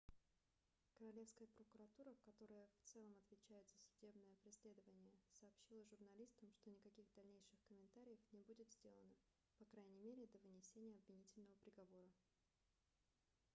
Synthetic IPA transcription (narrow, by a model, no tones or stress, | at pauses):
kəɾɐlʲe̞fskəjəpɾəkʊɾɐt̪uɾəkɐt̪o̞ɾəjəft̪sɛlˠəmɐt̪vʲɪt͡ɕæjɪt̪z̥əsʲʊdʲe̞bnəjəpɾʲɪsʲlʲe̞d̪əvənʲɪjəsɐːpɕilˠəʐʊrnɐlʲist̪əmʂt̪o̞nʲɪkɐkʲiɣd̪ɐlʲnʲejʂɨxkəmʲɪnt̪aɾʲɪjəfnʲɪbudʲɪt̪zʲdʲe̞lˠənə | pɐkɾajnʲɪmʲeɾʲɪd̪əvɨnʲɪsʲenʲɪjəɐbvʲɪnʲitʲɪlʲnəvəpɾʲɪɡɐvo̞ɾə